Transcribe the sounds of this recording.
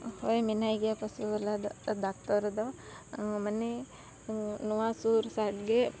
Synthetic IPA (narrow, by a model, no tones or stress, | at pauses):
hojminajɡijapəsulad̪at̪ɔɾd̪ɔ | mane | nɔʋasuɾsaʈɡe